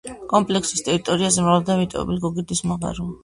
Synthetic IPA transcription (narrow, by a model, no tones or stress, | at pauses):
kʼɔmpʼlɛksi̥st̪ʼɛɾit̪ʼɔɾiazɛmɾavalˠd̪amit̪ʼɔ̰ɛ̰bɛliɡɔɡid̪ismaʁa̰ɾu